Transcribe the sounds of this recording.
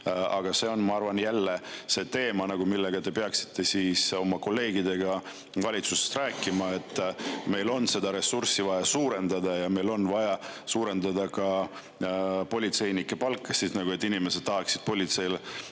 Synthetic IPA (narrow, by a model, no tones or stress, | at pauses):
ɑ̰ɡ̥ɑse̞o̞nmɑɑrvɑnjælːe̞se̞ːt̪e̞ːmɑnɑɡ̥umilːeɡ̥ɑt̪e̞pe̞ɑksi̥t̪ʰːe̞siso̞mɑko̞lːe̞ːɡid̪e̞ɡ̥ɑ | vɑlʲit̪suse̞̥st̪ræːkːˑimɑe̞t̪ːˑme̞jlo̞nːse̞d̪ɑɾe̞sursivɑjɑsuːɾe̞nd̪ɑd̪ɑjɑme̞jlo̞nvɑjɑsuːɾe̞nd̪ɑd̪ɑkɑ | po̞lʲit̪se̞jnikːe̞pɑlkːˑesisnɑɡue̞t̪ːˑinime̞sed̪̥t̪ːɑɦɑksid̪̥̚po̞lʲit̪se̞jl